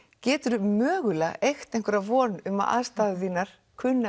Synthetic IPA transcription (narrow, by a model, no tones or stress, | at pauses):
cɛːt̪ʏɾʏmœːɣʏlaejxt̪ejŋkʏɾavɔːnʏma̰ða̰ðst̪aːðʏθiːnːaɾ̥ | kʰvʏnːa